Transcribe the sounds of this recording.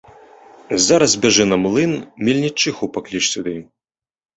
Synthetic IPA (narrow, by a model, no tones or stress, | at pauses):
zaɾɐzbʲɛʐɛnɐmlˠɨnmʲilʲnʲit͡ʂːɨxupaklʲit͡ʂsʲud̪ɨ